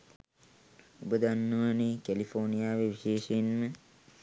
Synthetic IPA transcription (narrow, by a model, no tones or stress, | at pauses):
ubəd̪anːuʋanekælifornijaːʋeʋiʃeːʃenmə